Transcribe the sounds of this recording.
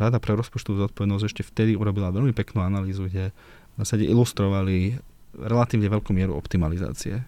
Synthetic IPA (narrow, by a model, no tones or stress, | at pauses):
ɾad̪apɾɛɾɔspɔt͡ʃt̪ɔʋuːzɔt̪̚pɔʋɛd̪nɔzɛʃcɛft̪ɛd̪iuɾɔbilaʋɛʎmipɛknuːanaliːzuɡɟɛ | zaːsaɟɛʔilust̪ɾɔʋali | ɾɛlat̪iːʊɲɛʋɛʎkuːmɪɛɾṵɔ̰pt̪imaliza̰ːt͡siɛ̰